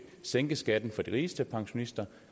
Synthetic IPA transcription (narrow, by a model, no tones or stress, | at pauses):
seŋ̰ɡ̥əsɡ̥æd̥n̩fɒ̽d̥iʁiːsd̥əpʰɑ̈ŋɕo̝nisd̥ɐ